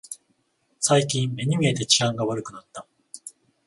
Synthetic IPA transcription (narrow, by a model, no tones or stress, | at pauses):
saikʲĩmme̞ɲ̟imʲie̞t̪e̞t͡ɕi̥ãŋɡaβaɾɯ̟kɯ̟nat̪ːa